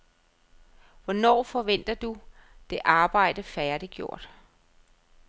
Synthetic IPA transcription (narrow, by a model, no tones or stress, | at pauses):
ʋɒnɒ̰ːfɒ̽ʋen̰d̥ɐd̥ud̥e̝ʔɑ̈ːb̥ɑ̈ɪ̰d̥əfæɐd̥iɡ̥jo̝ɐ̰d̥